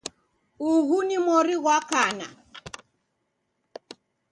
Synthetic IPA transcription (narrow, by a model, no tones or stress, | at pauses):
uɣunimɔɾiɣwakana̰